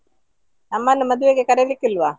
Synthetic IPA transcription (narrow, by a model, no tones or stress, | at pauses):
nɐmːɐnːumɐd̪uʋeɡekɐɾelikːilʋa